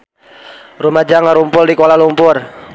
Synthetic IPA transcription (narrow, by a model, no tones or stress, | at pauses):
rumad͡ʒaŋaɾumpʊldikolalumpʊr